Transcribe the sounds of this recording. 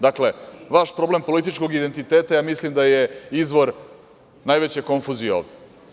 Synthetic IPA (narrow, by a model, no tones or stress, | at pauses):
d̪akle̞ʋaʃpɾo̞ble̞mpo̞lit̪̬it͡ʃko̞ɡid̪e̞nt̪it̪eːt̪ajaːmislimd̪aje̞izʋo̞ɾ | najʋet͡ɕeko̞ɱfuzijeo̞̰ːʋd̪e